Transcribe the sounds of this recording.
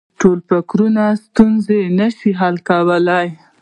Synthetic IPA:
ʈolpakɾunast̪unzenəʃiɦalkawəlaj

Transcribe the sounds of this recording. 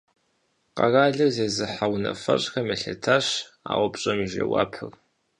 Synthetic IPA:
qɑ̰raːɮɨrzeːzɨħawnɐfɐɕʼxɐmɐɬɐtʰaɕ | a̰ːwʷʊpɕʼɐmʒɐ̰wa̰ːpʰɨr

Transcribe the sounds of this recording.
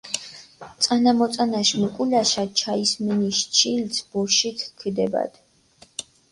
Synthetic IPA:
t̪sʼanamɔt̪sʼanaʃmukʼulaʃat͡ʃʰaisminiʃt͡ʃʰilsʰbuɾʃit̪ʰkʰid̪ɛba̰d̪̥

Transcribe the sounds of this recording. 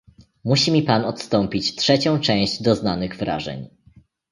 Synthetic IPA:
muɕimʲipanɔt̪st̪ɔmpʲit͡ɕtʂɛt͡ɕɔ̃w̃t͡ʂɛ̃w̃ʑd͡ʑd̪ɔznanɘɣvɾa̰ʐɛ̰ɲ

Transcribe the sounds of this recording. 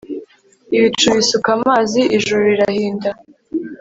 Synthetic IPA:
iβit͡ʃt͡ʃuβisukamaːziʔiʒuɾɾiɾahiːnda

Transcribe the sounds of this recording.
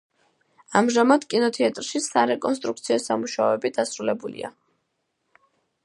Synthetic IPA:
amʒamad̪̥kʼinɔt̪ʰɛat̪ʼɾʃisaɾɛkʼɔns̬t̪ʼɾuk̚t̪sʰiɔsamuʃaɔɛbid̪asɾulɛbulḭa̰

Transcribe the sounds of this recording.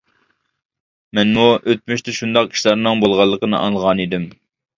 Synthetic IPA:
mɛnmuʔøt̪̚myʃt̪ɛʃund̪ɑqi̥ʃlˠɑɾnɨŋbolˠʁɑlˠːəqənɨ̰ʔɑ̰ŋlˠəʁɑnid̪ɪm

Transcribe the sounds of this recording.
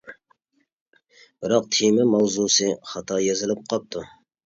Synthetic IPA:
b̥ɪɾɑq̚t̪ʰimɪmɑwzusɨχɑt̪ʰɑjezɪlɪp̚qʰɑp̚t̪ʰu

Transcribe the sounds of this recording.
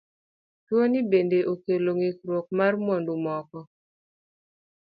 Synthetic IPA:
twonibendeʔokeloŋikɾwok̚marmwɔndumɔkɔ

